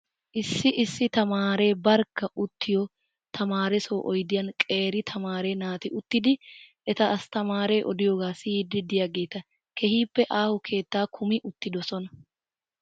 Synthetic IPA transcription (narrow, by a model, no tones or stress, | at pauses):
ʔɪsːɪʔɪsːɪt̪ɐmaːɾe̞ːbɐɾkːɐʔʊt̪ʰːɪjɔ | t̪ʰɐmaːɾɛsoːʔɔjd̪ɪjɐnkʼe̞ːɾɪt̪ʰɐmaːɾe̞ːnaːt̪ɪʔʊt̪ːɪd̪ɪʔɛt̪ɐɐst̪ɐmaːɾe̞ːʔɔd̪ɪjoːɡaːsiːd̪ɪd̪ɪjaɡe̞ːt̪ɐ | kʰɛhiːpːɛʔaːhʊkʰe̞ːt̪ːaːkʰʊmɪʔʊt̪ːɪd̪ɔsɔnɐ